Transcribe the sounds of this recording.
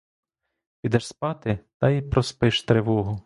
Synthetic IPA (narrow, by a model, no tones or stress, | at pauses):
pʲid̪ɛʃspɑt̪ɪt̪ɐipɾɔspɪʃt̪ɾeʋɔɦʊ